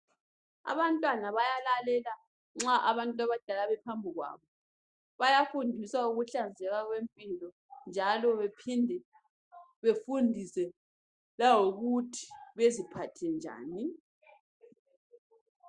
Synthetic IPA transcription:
a̰βantʼwanaβajalalɛla | ŋ͡ǁaʔaβantʼaβad̥ʱalaβɛpʰambʱiɣwa̰βɔ | βajafundʱiswauɣuɬand͡zʱɛɣaɣwempʼilɔ | nd͡ʒʱalɔβepʰindʱɛ | βefundʱisɛ | laŋoɣutʰi̥βezipʰatʰɛnd͡ʒʱa̰ːni

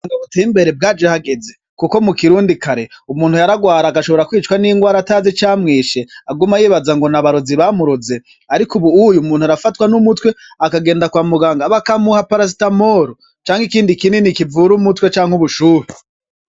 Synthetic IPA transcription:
ŋɡaβuteimbe̞ɾe̞b̚ɡaːd͡ʒehaɡe̞ze | kuko̞mukiɾuːndikʰaɾe̞umuːnhujaɾaɡwaːɾaːkaʃo̞βo̞ɾakwiːt͡ʃwaniiŋɡwaːɾataːzet͡ʃaːmŋiːʃe̞aɡumajiːβazaŋɡo̞naβaɾoziβamuɾuze̞ | aɾikuβuujumuːnhuaɾafatwanumutwe̞ | akaɡe̞ːndakwaːmuɡaːŋɡaβakamuhapaɾas̬i̥tamo̞ɾo | t͡ʃaːŋhikiːndikininikivuɾumutwe̞t͡ʃaːŋhuβuʃuːɾe

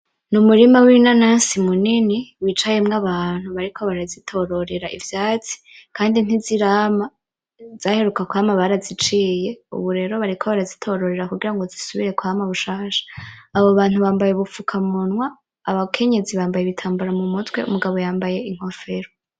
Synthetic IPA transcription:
numuɾimawinanaːnsimuniniwit͡ʃaje̞mŋaβaːn̥huβaɾikʰo̞βaɾazitʰo̞ɾo̞ɾe̞ɾaʔḭvjaːt͡si̥ | kʰaːndin̥iziɾaːma | z̥aːhe̞ɾukakwamaβaɾazit͡ʃiːje̞ṵβuɾe̞ɾo̞βaɾikʰoβaɾazitʰo̞ɾo̞ɾe̞ɾakuɡiɾaŋɡozisuβiɾe̞kwamaβuʃaːʃḁːβoβaːn̥huβaːmbajeβufukʰamunwaː | βakʰe̞ɲe̞ziβaːmbajeβitʰaːmbuɾamumutwe̞̰ʔṵmuɡaβo̞jaːmbaje̞iŋ̥o̞fe̞ɾo

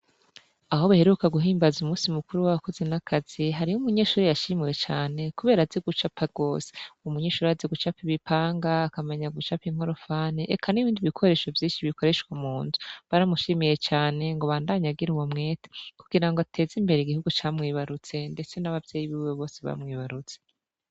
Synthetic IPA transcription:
aɦo̞βahe̞ɾukaɡuɦiːmbazumuːsimukuɾuwaβako̞zenakʰaz̥iɦaɾijumuɲe̞ʃuːɾijaʃimiwe̞t͡ʃaːne̞kuβe̞ːɾazeɡut͡ʃapaɡ̥o̞ːsi̥umuɲeːʃuːɾiazeɡut͡ʃapiβipaːŋɡaːkameɲaɡut͡ʃapiŋ̥o̞ɾo̞faːniʔekʰaniβiːndiβikʰo̞ɾe̞ːʃo̞vjiːnʃiβiko̞ɾe̞ʃkwamuːnzu̥βaɾamuʃimijet͡ʃaːne̞ŋɡoβaːndaːɲaɡiɾuwomŋe̞ːte̥kuɡiɾaŋɡotʰe̞ːzimbe̞ɾeiɡihuɡut͡ʃaːmŋiːβaɾut͡se̞nde̞t͡se̞naβavjeːjiβiweβo̞ːseβa̰mŋiːβaɾut͡se

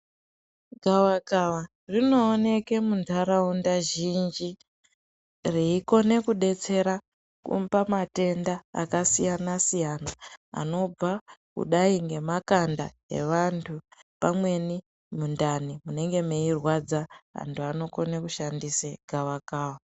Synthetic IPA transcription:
ɡʱawakawa | rino̞ːne̞ke̞muntʰaɾaundaʒind͡ʒi | reiko̞ne̞kuɗe̞t͡se̞ɾa | kṵmbamate̞nda̰ːkasijanasijana̰ːno̞b͡vakṵɗaiŋɡe̞makanda | e̞̰ʋantʰupamwe̞ni | mundanimune̞ŋɡe̞meirwad͡zaa̰ntʰuano̞ko̞nekuʃandiseɡ̥ʱawakaːwa

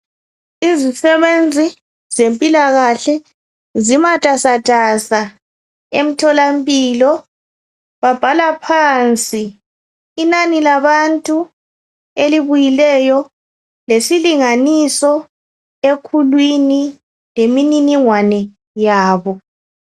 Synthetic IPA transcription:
izisɛβend͡zʱi | zempʼilaɣaɬɛ | zimatʼasatʼasa | em̩tʰɔlampʼiːlɔ | βab̥ʱalapʰaːnt͡sʼiː | nanilaβantʼu | eliβujilɛjɔ | lesiliŋanisɔ | ekʰulwini | lemininiŋwanɛ | jaːβɔ

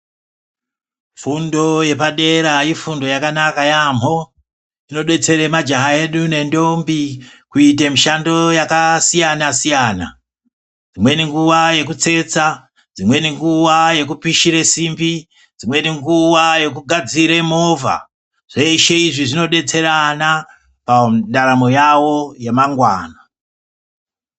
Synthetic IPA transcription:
fundo̞je̞paɗe̞ɾaifundo̞jakanakajam̤o̞ | d͡zino̞ɗe̞t͡se̞ɾe̞mad͡ʒaɦae̞ɗune̞ndo̞mbikuitemiʃando̞jakasijanasijaːna̰ | d͡zimwe̞niŋɡuwaje̞k̬ut͡se̞t͡sa | d͡zimwe̞niŋɡuʋaje̞k̬upiʃiɾe̞simbi | d͡zimwe̞niŋɡuwaje̞k̬uɡʱad͡ziɾemo̞va̰ | ʐ̥eʃe̞iʐiʐino̞ɗe̞t͡se̞ɾana | paɗaɾamo̞jawo̞je̞maŋɡwaːna

